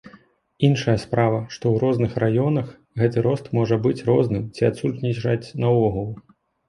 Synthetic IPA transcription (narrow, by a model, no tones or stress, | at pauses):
inʂɐjɐspɾavɐʂt̪ɔwɾɔznɨxrajɔnɐx | ɣɛt̪ɨɾɔst̪mɔʐɐbɨt͡sʲrɔznɨmt͡sʲiat̪sut̪nʲiʐat͡sʲnɐɔɣɐlˠ